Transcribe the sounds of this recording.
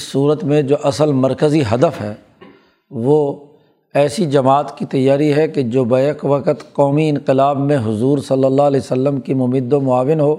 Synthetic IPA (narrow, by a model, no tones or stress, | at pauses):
ɪsːuːɾət̪mẽd͡ʒoːʔɐsəlmɐɾkəziɦɐd̪əfɦɛ̰ː | ʋo | ɛːsid͡ʒɐmaːt̪kit̪ɐjːaːɾiɦɛked͡ʒoːbɐəkʋɐqət̪qɔːmiɪ̃nqɪlaːbmẽɦʊzuːɾsɐlːəlːalɛːsəlːəmkimʊmɪd̪omʊaːʋɪnɦoː